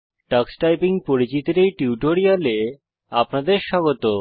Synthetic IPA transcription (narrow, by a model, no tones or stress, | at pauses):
ʈaksʈajpiŋpoɾit͡ɕit̪oɾejʈiuʈoɾiale | apnad̪eɾʃɔɡot̪o